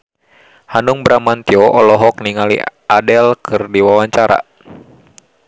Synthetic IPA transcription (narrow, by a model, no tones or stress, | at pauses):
hanuŋbɾamant̪iɔʔɔlɔɦɔkniŋalḭadɛlkʰɨrdiwawaɲt͡ʃaɾa̰